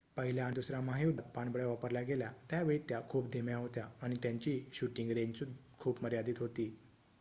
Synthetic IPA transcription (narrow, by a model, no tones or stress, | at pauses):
pəɦiljaːnid̪usɾamaɦidt̪̚paɳbəɭjaʋapəɾljaɡeljat̪jaʋeit̪jakʰuːpd̪ʱemjãɦot̪jaːɽ̃it̪jãɲt͡ɕiːɕuʈĩŋɡɾeɲt͡su | kʰuːpməɾjad̪iːt̪ɦot̪iː